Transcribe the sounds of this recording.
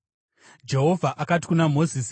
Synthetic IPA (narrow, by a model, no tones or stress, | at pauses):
d͡ʒe̞ɦo̞vʱaʔakati̥kunamo̞zis